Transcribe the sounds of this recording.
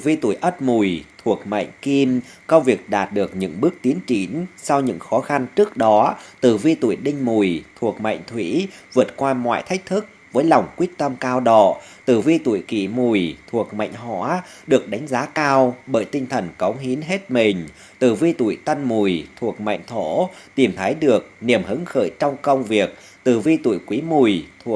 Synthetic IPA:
vi˧t̪ṵ˧˩əjʔə˦˥t̚mu˨˩jt̪ʰu˨˩ək̚ma̰˧˨jŋ̟ki˧m | kə˧ŋ͡mvi˨˩ək̚ɗaː˨˩t̚ɗɨ˨˩ək̚ɲɨ̰˧˥ŋɓɨ˦˥ək̚t̪i˨˦ənt͡ɕi˨˦nsa˧wɲɨ̰˧˥ŋxɔ˨˦xa˧nt͡ɕɨ˦˥ək̚ɗɔ˨˦t̪ɨ˧˨˩vi˧t̪ṵ˧˩əjɗï˧ŋ̟mu˨˩jt̪ʰu˨˩ək̚ma̰˧˨jŋ̟t̪ʰwḭ˧˥vɨ˨˩ət̚kwaː˧mwa̰ː˧˨jt̪ʰa˦˥k̟̚t̪ʰɨ˦˥k̚vəː˨˦jla˨˩wŋ͡mkwi˦˥ək̚t̪ə˧mkaː˧wɗɔ̰˧˨ | t̪ɨ˧˩vi˧t̪ṵ˧˨jkḭ˧˨mu˨˩jt̪ʰu˨˩ək̚ma̰˧˨jŋ̟ɦɔ̰˧˥ | ɗɨ˨˩ək̚ɗa˨˦jŋ̟zaː˨˦kaː˧wɓəː˧˩jt̪i˧ŋ̟t̪ʰə˨˩nkə˨˦wŋ͡mɦi˨˦ənɦe˦˥t̚mï˨˩ŋ̟ | t̪ɨ˧˩vi˧t̪ṵ˧˩˨jt̪ə˧nmu˨˩jt̪ʰu˨˩ək̚ma̰˧˨jŋ̟t̪ʰo̰˧˥t̪i˨˧˩mt̪ʰə˨˦jɗɨ˨˩ək̚ni˨˩əmhɨ˨˦ŋxə̰ː˧˩jt͡ɕɔ˧wŋ͡mkə˧wŋ͡mvi˨˩ək̚ | t̪ɨ˧˩vi˧t̪ṵ˧˨jkwi˨˦mu˨˩jt̪ʰu˨˩ə

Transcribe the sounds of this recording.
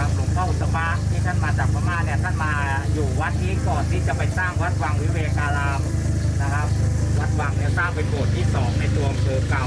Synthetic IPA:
a˧lu˧˩tʰa˥˩˨sa˧paː˦˥˩t̪ʰiː˥˩t̪ʰa˥˩nmaː˧t͡ɕaː˨˩k̚pʰa˧maː˥˩˨ni˥˩ɐt̪ʰa˥˩nmaː˧ | juː˨˩wa˦˥t̪̚ːji˦˥kɔː˨˩nt̪ʰiː˥˩t͡ɕa˨˩pa˧jsaː˥˩ŋwa˦˥t̪̚wa˧ŋwi˦˥weː˧kaː˧laː˧m | na˦˥kʰa˦˥p̚wa˦˥t̪̚wa˨˧ŋni˥˩ɐsaː˥˩ŋpe˧nbu˨˩ət̪ʰːiː˥˩sɔː˩˦ŋna˧˩jlu˧əmkɤː˧mka˧˩w

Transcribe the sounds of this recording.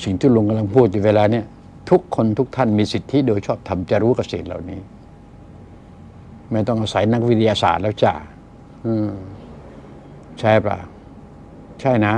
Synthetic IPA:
si˨˩ŋt̪ʰiː˥˩lo˧ŋka˧mla˧ŋpʰuː˥˩t̪̚ɲu˨˩weː˧laː˧ni˥˩ɐ | t̪ʰu˦˥kʰːo˧nt̪ʰu˦˥k̚t̪ʰa˥˩nmiː˧si˨˩t̪ʰːi˦˥˩doː˧jt͡ɕʰɔː˥˩p̚t̪ʰa˧mt͡ɕa˨˩ɾuː˦˥ka˧p̚seː˨˩t̪̚la̰˨˩wniː˦˥ | ma˥˩jt̪ɔ˥˩ŋʔaː˧˩sa˩˦jna˦˥k̚wi˦˥t̪ʰi˧aː˧sa̰ː˨˩t̪̚lɛː˦˥wt͡ɕa̰ː˨˩ | ʔɯː˧˩ | t͡ɕʰa˥˩pla̰˨˩ | t͡ɕʰa˥˩jna˦˥

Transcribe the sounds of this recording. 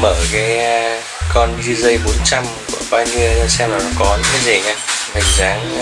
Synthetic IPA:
məː˧˩kaː˨˦j | kɔ˧nzi˧zə˧jɓo˨˦nt͡ɕa˧mkṵ˧˩əɓaː˧ɲi˧ə˧sɛ˧mlaː˨˩nɔ˨˦kɔ˨˦ɲɨ̰˧˥ŋkaː˨˦jzi˨˩ŋaː˧ma˨˩ŋzaː˨˦ŋ

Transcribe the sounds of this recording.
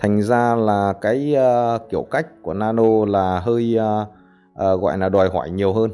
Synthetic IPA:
t̪ʰa˨˩ŋ̟zaː˧laː˨˩kaː˨˦jəː˧ki˧˩əwka˦˥jk̟̚ku˧˩ənaː˧no˧laː˨˩ɦəː˧j | ʔəː˨˩ɣɔ̰ː˧˨jlaː˨˩ɗwɔː˨˩jɦɔ̰ː˧˩jɲi˨˩əwɦəː˧n

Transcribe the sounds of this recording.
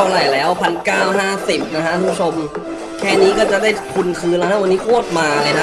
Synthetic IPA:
ɾa˨˩jlɛː˦˥wpʰa˧nkaː˥˩wɦaː˥˩si˨˩p̚na˦˥kʰa˦˥ʔʰːu˥t͡ɕʰo˧m | kʰɛː˥˩niː˦˥kɔː˥˩t͡ɕa˨˩ʔdaː˥˩jp̪ʰu˧nkʰɯː˧nla˦˥˩kʰa˦˥˩wa˧nːiː˦˥pʰu˥˩ət̪̚maː˧lɤː˧jna˦˥

